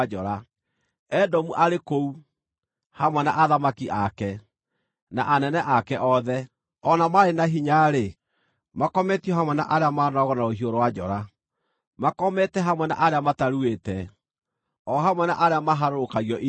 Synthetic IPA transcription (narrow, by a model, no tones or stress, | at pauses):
d͡ʒɔɾa | ɛdɔmuʔaɾekou | hamwɛnaʔaðamakiʔakɛ | naʔanɛnɛʔakɛʔɔðɛ | ɔnamaɾenaɦiɲaɾe | makɔmɛtiɔhamwɛnaʔaɾeamaːnɔɣɔnaohioɾɔwad͡ʒɔɾa | makɔmɛtɛɦamwɛna̰ʔaɾeamataɾuetɛ | ɔɦamwɛna̰ʔaɾeamaɦaɾokaɣiɔʔi